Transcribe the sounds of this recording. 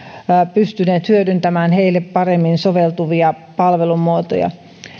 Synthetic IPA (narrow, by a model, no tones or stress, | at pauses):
pyst̪yneːt̪hyødynt̪æmæːnheilːeppɑremːinsoʋelt̪uʋiɑ | pɑlʋelumːˑuot̪o̰jɑ̰